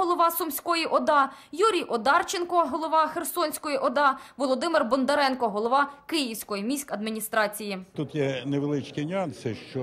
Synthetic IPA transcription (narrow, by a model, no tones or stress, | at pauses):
ɔlˠɔʋɑsʊmsʲkɔjiʔɔd̪ɑjuɾʲijʔɔd̪ɑrt͡ʃenkɔɦɔlˠɔʋɑxersɔnʲsʲkɔjiʔɔd̪ɑʋɔlˠɔd̪ɪmɪrbɔnd̪ɐɾɛnkɔɦɔlˠɔʋɑkɪjiwsʲkɔjimʲisʲkɐd̪mʲinʲist̪ɾɑt͡sʲijit̪ut̪jɛneʋelˠɪt͡ʃkʲinʲiɑnsɪʃt͡ʃɔ